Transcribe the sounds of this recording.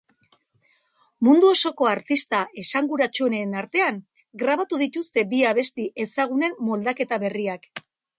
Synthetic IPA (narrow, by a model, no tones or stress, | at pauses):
mund̪uo̞so̞ko̞aɾt̪ist̪aʔe̞saŋɡuɾat͡ʃuenenaɾt̪e̞aŋ | ɡɾaβ̞at̪uðit̪ust̪e̞biaβe̞st̪iʔe̞saɣ̞une̞mmo̞ld̪ake̞t̪aβe̞riak